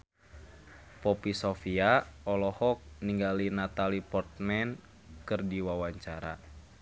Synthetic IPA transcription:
pɔpisɔfiaɔlɔhɔk̚niŋɡalinat̪alipɔrt̪̚mɛn | kɨrdiwawaɲt͡ʃaɾa̰

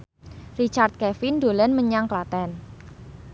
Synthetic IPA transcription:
rit͡ʃart̪̚kɛfindolɛnməɲaŋklat̪ɛn

